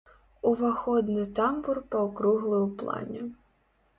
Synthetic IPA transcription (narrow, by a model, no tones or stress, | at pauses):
uvaxɔd̪nɨt̪amburpɐwkɾuɣlˠɨwplˠa̰nʲɛ